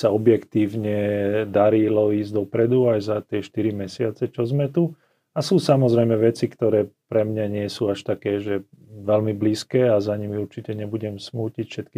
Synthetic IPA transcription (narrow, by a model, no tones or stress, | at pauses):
saɔbjɛkt̪iːʊɲɛd̪aɾilɔiːzɟd̪ɔpɾɛd̪uajzat̪ɪɛʃt̪iɾimɛsɪat͡sɛt͡ʃɔzmɛt̪u | asuːsamɔzɾɛjmɛʋɛt͡sikt̪ɔɾɛːpɾɛmɲaɲɪɛsuːaʃt̪akɛːʒɛʋɛlmibliːskɛːazaɲimiuɾt͡ʃicɛɲɛbuɟɛmsmuːcicfʃɛt̪ki